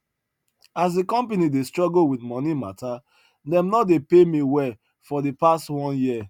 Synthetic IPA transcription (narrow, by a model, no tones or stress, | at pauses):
asdikɔ̃mpanidestɹɔɡlowidmɔ̃nimata | dɛ̃mnɔdepemiwɛ | fɔdepastwɔ̃njiə